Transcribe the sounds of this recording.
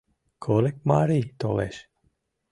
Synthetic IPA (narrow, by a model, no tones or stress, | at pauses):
kʰolek̚maːɾiːt̪olḛʃ